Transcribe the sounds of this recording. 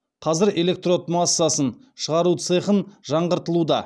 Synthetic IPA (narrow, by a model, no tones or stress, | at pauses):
qʰɑzɪɾe̞le̞k̚t̪ro̞t̪masːasən | ʃəʁɑɾut̪sɨχənʒɑɴʁəɾt̪əlˠud̪ɑ